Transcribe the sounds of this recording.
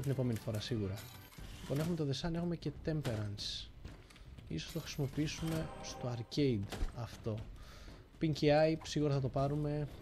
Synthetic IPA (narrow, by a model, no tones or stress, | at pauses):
t̪ine̞po̞me̞nifo̞ɾɐsiɣuɾɐ | liponxume̞t̪oðe̞sɐne̞xumece̞t̪e̞mpe̞ɾɐns | isost̪oxɾi̥simo̞piisume̞st̪o̞ɐɾce̞id̪ɐft̪o̞ | piɲciɐjsiɣuɾɐθɐt̪̬o̞pɐɾume̞